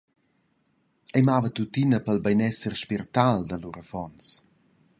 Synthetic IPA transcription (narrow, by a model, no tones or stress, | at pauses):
ɛjmavət̪ut̪inəpəlbɛjnɛsərʃpirt̪ald̪əluɾəfɔns